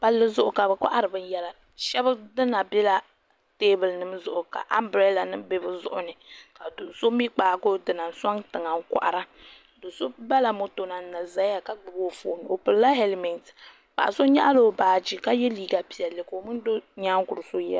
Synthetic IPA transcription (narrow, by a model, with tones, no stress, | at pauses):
ba˦lːɨ˦zʊ˦ʔʊ˨ka˨bɨ˨kʷa̰˦ʔa˦ɾɨ˨bɨ˦n˦jɛ˦la˨ | ʃɛ˦bɨ˦dɨ˦na˨bɛ˦la˦ | teː˦bɨ˨lnɨ˦mzʊ˨ʔʊ˨ka̰˨ʔa˦mbɾɛ˦la˨nɨ˦m˦be˦bɨ˦zʊ˦ʔʊ˦nɨ˨ka˨dʊ˨nso˦mi˦k͡paː˨ɡo˦dɨ˨na˨n̩˦sa˦ŋtɨ˨ŋa˨ŋ˦kʷʊ̰˨ʔa˨ɾa˦ | do˨so˦ba˦la˨mo˨to˨na˨n˦na˨za˦a˨ka˦ɡ͡bɨ˨bo˦˨fo̰ː˨nɨ˨o˨pɨ˨lla˦ɦe˦lmɛ˨nt | pa̰˨ʔa̰˨so˦ɲa̰˦ʔa˦lo˦˨baː˨d͡ʒi˨ka˦jɛ˦liː˦˨ɡa˨pi˨ɛ˨lːɨ˨ko˨mɨ˦n˦do˦ɲaː˦ŋɡʊ˨ɾɨ˨so˦jɛ˦